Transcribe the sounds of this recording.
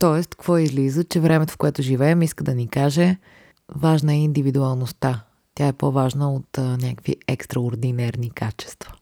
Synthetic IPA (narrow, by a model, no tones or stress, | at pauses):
t̪ɔɛst̪kvɔizlizət͡ʃɛvɾɛmɛt̪o̥fkoɛt̪ʊʒivɛːmiskəd̪ɐnikaʒɛ | vaʒnəɛind̪ivid̪uɐlˠnost̪a | t̪ʲjaɛpovaʒnəot̪nʲakəkvḭɛkst̪ɾɐoɾd̪inɛɾnikat͡ʃɛ̥st̪və̥